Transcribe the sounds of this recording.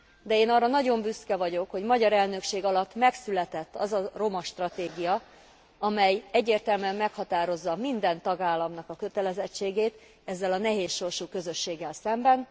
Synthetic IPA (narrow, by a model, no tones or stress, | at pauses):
d̪ɛeːnɒrːɒnɒɟo̞mbyskɛvɒɟo̞kho̞ɟmɒɟɒɾɛlnø̞kʃeːɡɒlɒt̪ːmɛksylɛt̪ɛt̪ːɒzɒro̞mɒʃt̪rɒt̪eːɡijɒ | ɒmɛjɛɟːeːrt̪ɛlmyɛmːɛkhɒt̪aːɾo̞zːɒmind̪ɛnt̪ɒɡaːlːɒmnɒkɒkø̞t̪ɛlɛzɛt͡ʃːeːɡeːt̪ | ɛzːɛlɒnɛɦeːsʃo̞rʃuːkø̞zø̞ʃːeːɡːɛlsɛmbɛn